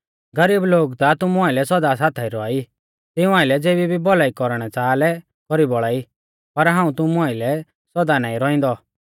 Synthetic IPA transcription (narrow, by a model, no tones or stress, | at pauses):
ɡɐɾiːbloːɡt̪at̪ʊmuaːɪlɛsɔd̪as̬aːt̪ʰaiɾɔai | t̪ɪũaːɪlɛd͡zeːbibʱibɔlaːikɔɾɽ̃ɛt͡saːlɛ | kɔɾibɔɭaːi | pɐɾɦãːũt̪ʊmũaːilɛ | sɔd̪anaːĩɾɔĩn̆d̪ɔ